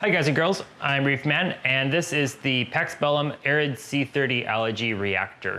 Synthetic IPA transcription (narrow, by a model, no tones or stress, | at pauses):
haɪɡaɪzɨ̃nɡɜ˞lˠzʔãɪ̃mɹifmæ̃nɨ̃nðɪsɪzðɨpʰɛksb̥ɛlˠə̃mɛɹɨdsiθɜ˞ɾiʔæ̰lˠəd͡ʒiɹiæ̰k̚tə̰˞